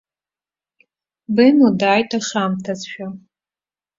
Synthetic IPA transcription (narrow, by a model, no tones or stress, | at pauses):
bɨnodaːjtʰʼaʂamtʰazʃᶣa